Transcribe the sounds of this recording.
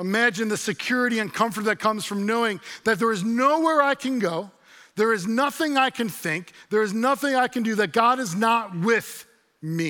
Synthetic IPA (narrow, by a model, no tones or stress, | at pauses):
əmæd͡ʒɨ̃nðɨsɨkʰj̥ʊɹɨɾiɨ̃nkʰʌ̃ɱfə˞t̪̚ðɨt̚kʰʌ̃mz̥fɹʌ̃mnoʊɪ̃ŋðɨt̪̚ðə˞ɨznoʊwɛɹaɪkʰɨ̃nɡoʊ | ðə˞ɨznʌθɪ̃ŋaɪkʰɨ̃nθɪ̃ŋk̚ðə˞ɨznʌθɪ̃ŋaɪkɨ̃n̩dɨðɨt̚ɡ̥ɑɾɨznət̚wɪð̥ | mi